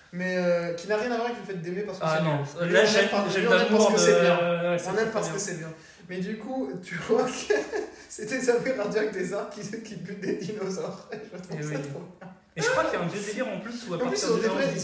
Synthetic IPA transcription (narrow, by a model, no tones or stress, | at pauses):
mɛøkʲinaʁjɛ̃navwaʁkvəfɛt̪̚d̪emepaʁsəkəsɛñamɛmpaʁɛɛmpaɔsəkəsɛjɛ̃wɛsɛmɛmpaʁsəkəsɛbjɛ̃ | mɛd̪ykut̪ʰyvwak | set̪ɛsavɛpaʁd̪iak̚d̪ezãkʲikʲibyt̪̚d̪ed̪inozɔʁeʒəmət̪χusat̪χobjɛ̃ | eʒəkwakilaɛ̃vjød̪eliʁɑ̃plysuapɛ̃tplysod̪eby